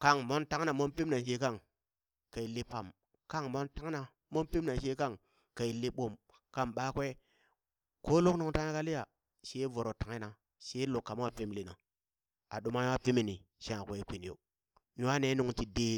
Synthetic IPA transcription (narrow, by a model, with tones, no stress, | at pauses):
ka˦˨ŋmo˦nta˦ŋ˦na˨mo˦npi˦mna˨ʃe˦ka˦˨ŋ | ka˨i˨li˦pa˨m | ka˦ŋmo˦nta˦ŋ˦na˨ | mo˦npi˦mna˨ʃe˦ka˦ŋ | ka˨i˨li˦ɓo˨m | ka˦˨mɓa˦kʷe˦ | ko˦lo˦knu˨ŋta˦ŋ˦a˦ka˦li˦ja˨ | ʃe˦vo˨ɾo˨ta˨ŋ˦na˨ | ʃe˦lu˨kːa˨m˦a˦pi˦mli˨na˨ | a̰˨ɗu˨ma˦ja˦pi˦mi˨ni˨ʃã˦˨ke˨˦kʷi˨n˨jo̰˨ | ju˦wa˦ne˨˦nu˨ŋti˨de˦